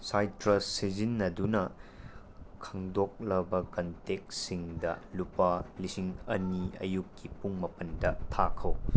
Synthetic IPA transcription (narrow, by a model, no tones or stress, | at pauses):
sajtɾɐsizinːɐdunɐ | kʰɐŋdok̚lɐbɐkɐntek̚siŋdɐ̰lupalisiŋɐniɐ̰juk̚kipuŋmɐpɐndɐtʰakʰɐw